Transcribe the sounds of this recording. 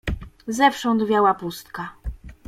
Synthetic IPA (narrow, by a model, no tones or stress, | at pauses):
zɛfʂɔ̃nd̪vʲjawapust̪ka